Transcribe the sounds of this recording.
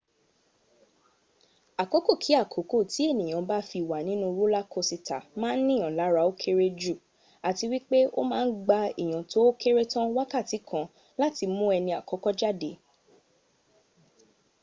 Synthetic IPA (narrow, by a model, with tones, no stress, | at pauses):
a˨ko˨˦ko˦˨kʰi˨˦a˦˨kʰo˨˦ko˦˨ti˨˦e˦˨nĩ˨j̃ã˨ba˦fi˧˨wa˨nĩ˨˦nũ˦˧ɾo˦la˦kʰo˧si˧ta˨mãː˦n̩˦nĩ˦˨ã˨la˨˦ɾa˧o˦kʰe˦ɾe˦d͡ʒu˦˨ | a˨ti˧wi˦k͡pe˦o̰˦mãː˦n̩˦ɡ͡ba˧ḭ˨j̃ã˨to˨˦o˦ke˦ɾe˦tã˦wa˦ka˦˨ti˨˦kʰã˦˧ | la˦ti˧mũ˦ɛ˧nĩ˧a˨kɔ˨˦kɔ˦d͡ʒa˦de˨˦